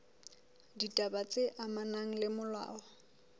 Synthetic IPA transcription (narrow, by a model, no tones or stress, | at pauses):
ditʼabat͡sʼɪʔamanaŋ̩lɪmʊlwa̰ːɔ